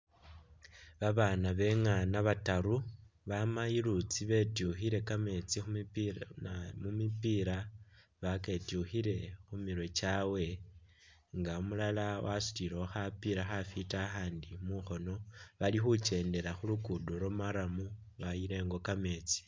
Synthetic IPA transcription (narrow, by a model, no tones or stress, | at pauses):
βaβaːnaβe̞ŋanaβataɾuβamajiɾut͡siβe̞tuxiɾe̞kame̞t͡sixu | mumipiɾa | βake̞tuxiɾe̞xumiɾwe̞t͡ʃawe̞ | ŋɡaumulalawʔasu̥tiɾooxapiɾaxafitaxaːndimuxo̞no̞βalixut͡ʃe̞ːnde̞ɾaxulukuduɾomaɾamu | βajiɾe̞ːŋɡo̞kame̞ːt͡si̥